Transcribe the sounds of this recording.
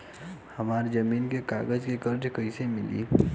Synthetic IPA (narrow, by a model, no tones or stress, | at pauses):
həmaːɾd͡ʒəmiːnkekaːɡəd͡ʒkekəɾd͡ʒkəisemɪlḭː